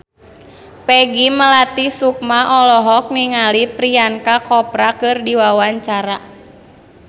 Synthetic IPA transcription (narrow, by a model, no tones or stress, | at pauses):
pɛɡiməlat̪isuk̚maʔɔlɔɦɔk̚niŋalipɾiaŋkakɔpɾakɨrdiwawaɲt͡ʃaɾa